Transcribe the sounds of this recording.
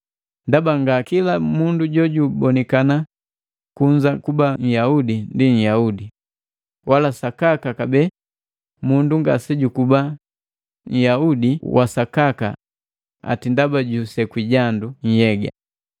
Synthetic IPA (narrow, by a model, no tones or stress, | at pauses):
ndabaŋɡakilamunduɟɔɟubɔnɛkana | kuɲd͡ʒakubaɲ̩jaudindiɲ̩jaudi | walasakakakabɛ | munduŋɡa̰sɛɟukuba | ɲ̩jaudiwʔa̰sakaka̰ | a̰tindabaɟusɛkwiɟanduɲ̩jɛɡa̰